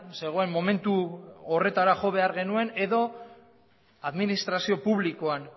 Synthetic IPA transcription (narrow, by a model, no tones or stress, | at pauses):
se̞ɣ̞o̞e̞mːo̞me̞nt̪uore̞t̪aɾaʝo̞βe̞aɾɣe̞nue̞ne̞ðo̞ | aðminist̪ɾasio̞puβliko̞an